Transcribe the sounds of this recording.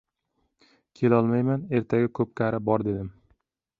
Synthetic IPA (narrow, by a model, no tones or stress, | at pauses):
kʲʰe̞lɒlˠmajmane̞ɾt̪ʰaɡʲakʰɵp̚kʲʰaɾabɒɾd̪e̞d̪ɪm